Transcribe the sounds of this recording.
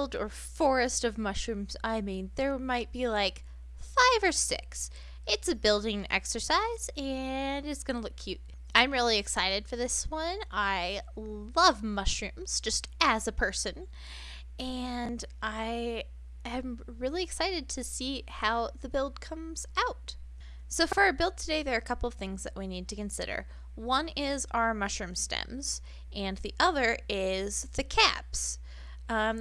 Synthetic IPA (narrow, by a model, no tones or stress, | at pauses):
lˠdə̰˞ | fɔɹɨstʌvmʌʃɹʉ̃mz̥aɪmĩnðə˞maɪt̚b̥ilaɪk | faɪvə˞sɪ̰ks | ɨtsɨbɪlˠdɪ̃ŋɛ̰ksə˞saɪz̥ɨ̃nɨtsɡ̥ʌnəlʊkʰj̥ʉt̚ | ãɪ̃mɹɪlˠiɨksaɪɾɨd̥fə˞ðɪswʌ̃naɪlʌvmʌʃɹʉ̃mz̥d͡ʒʌstɨzɨpʰɜ˞sɨ̃n | ɨ̃n | ʔaɪ | ɨ̃m | ɹɪlˠiɨksaɪɾɨd̚tʰɨsihaʊðɨbɪlˠd̚kʰʌ̃mz̥aʊt̚ | soʊfə˞ɨbɪlˠd̚tʰɨdeɪðə˞ːkʰʌpl̩ˠʌv̥θɪ̃ŋzðɨʔwinid̚tʰɨkɨ̃nsɪ̰ɾə̰˞ | wʌ̃nɪza̰ʊə˞mʌʃɹʉ̃mstɛ̰̃mz̥ | ɨ̃nðiʔʌðə˞ɪzðɨkʰæ̰ps